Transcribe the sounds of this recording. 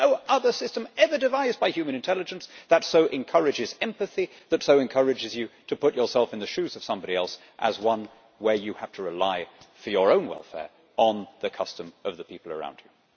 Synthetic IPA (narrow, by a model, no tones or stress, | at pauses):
noʊʔʌðə˞sɪstɨ̃mɛvə˞dɨvaɪzbaɪhjʉmɨ̃ñɨ̃ntʰɛlˠɨd͡ʒɨ̃n̩sðɨtsoʊʔɨ̃nkʰʌɹɨd͡ʒɨzɛ̃mpɨθi | ðɨtsoʊɨ̃nkʰʌ˞ɨd͡ʒɨzjɨɾɨpʊt͡ʃə˞sɛlˠfɨ̃nðɨʃʉzʌv̥sʌ̃mbɑɾiɛlˠs | ʔə̰zwʌ̃n | wə˞jɨhæftʰəɹɪlaɪfə˞jə˞õʊ̃nwɛ̰lˠfɛ̰ɹ | ʔə̃nðɨkʰʌstɨ̃mʌvðɨpipl̩ˠə̰˞ã̰ʊ̃ndʉ